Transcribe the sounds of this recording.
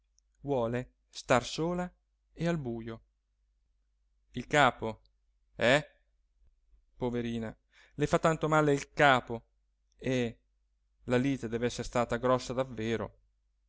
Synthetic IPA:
vwɔːle | st̪arsoːla | ealbuːjo | ilkaːpo | ɛ | poveɾiːna | lefat̪ːant̪omaːleilkaːpo | e | laliːt̪ed̪ɛːveɛsːeɾst̪aːt̪aɡɾɔsːad̪avːeːɾo̰

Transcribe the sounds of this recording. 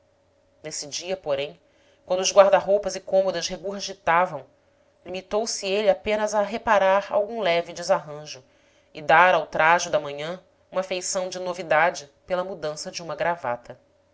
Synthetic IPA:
nesid͡ʒiɐpoɾẽj̃ | kwɐ̃nd̪ʊazɡwaɾd̪ɐɦowpɐzɪkõmod̪ɐʃɦeɡuɾʒit̪avɐ̃w̃ | limit̪owsieliapẽnɐzɐɦepaɾaɾa̰wɡũlɛvɪd͡ʒɪzaɦɐ̃ʒʊ | ɪd̪aɾawt̪ɾaʒʊd̪ɐmɐ̃ɲɐ̃ | ũmɐfejsɐ̃w̃d͡ʒɪnovid̪ad͡ʒɪpelɐmud̪ɐ̃sɐd͡ʒɪũmɐɡɾava̰t̪ɐ

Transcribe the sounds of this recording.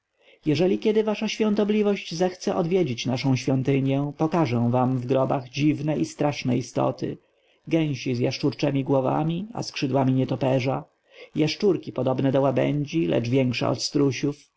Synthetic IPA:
jɛʐɛlʲikʲjɛd̪ɘvaʂaɕfʲjɔ̃nt̪ɔblʲivɔɕd͡ʑzɛxt̪sɛʔɔd̪vʲjed͡ʑit͡ɕnaʂɔ̃w̃ɕfʲjɔnt̪ɘɲjɛpɔkaʐɛ̃w̃vamvɡɾɔbaɣd͡ʑivnɛist̪ɾaʂnɛist̪ɔ̰t̪ɘ̰ | ɡɛ̃w̃ɕizjaʂt͡ʂuɾt͡ʂɛmʲiɡwɔva̰mʲia̰skʂɘd̪wamʲiɲɛt̪ɔpɛʐa | jaʂt͡ʂuɾkʲipɔd̪ɔbnɛd̪ɔwabɛ̰ɲd͡ʑilʔɛ̰d͡ʐvʲjɛŋkʂɛ̰ɔ̰t̪st̪ɾuɕuf

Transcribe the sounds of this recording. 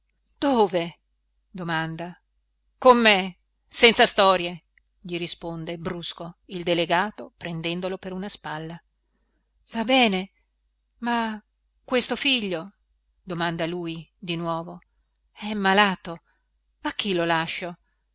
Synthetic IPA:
d̪̥oːve | d̪omand̪a | komːe | sɛnt̪sast̪ɔːɾje | ʎiɾispond̪ebɾuskoild̪eleɡaːt̪opɾend̪ɛnd̪olopeɾunaspalːa | vabɛːne | ma | kːwest̪ofiʎːo | d̪omand̪aluːjid̪inwɔːvo | ɛmːalaːt̪o | ak̟ːilolaʃːo

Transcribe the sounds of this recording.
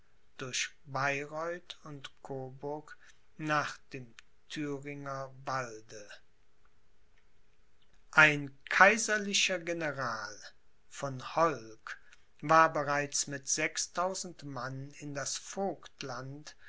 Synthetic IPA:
d̥ʊɐʃ | baɪʁɔʏtʊntkʰoːbʊɐk | naːχd̥eːm | tʰyːʁɪŋɐvaldə | ʔaɪnkʰaɪzɐlɪʃɐɡenəʁaːl | fɔnhɔlk | vaːɐbəʁaɪt͡smɪtz̥ɛkstʰaʊzn̩tmanɪndasfoːktlant

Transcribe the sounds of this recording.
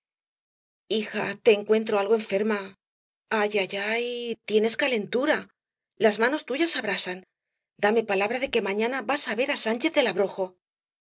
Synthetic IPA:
ixa̰t̪e̞ːŋkwe̞nt̪̬ɾo̞alɣ̞oe̞ɱfe̞ɾma | aʝaʝajit̪je̞ne̞skale̞nt̪uɾa | lazmãno̞st̪uʝasaβɾasan | d̪ame̞palaβ̞ɾaðe̞ke̞mãɲãnaβasaβe̞ɾasant͡ʃe̞θðe̞laβɾo̞xo̞

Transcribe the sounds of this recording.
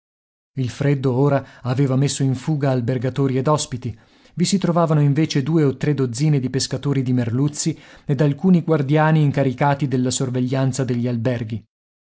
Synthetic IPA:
ilfɾed̪ːooːɾaaveːvamesːoiɱfuːɡaːlberɡat̪oːɾied̪ɔspit̪i | visit̪ɾovaːvanoiɱveːt͡ʃed̪uːeot̪ːɾed̪od̪zːiːned̪ipeskat̪oːɾid̪imerlut̪sːied̪alkuːniɡward̪jaːniːŋkaɾikaːt̪id̪elːasorveʎːant̪sad̪eʎːialbɛrɡi

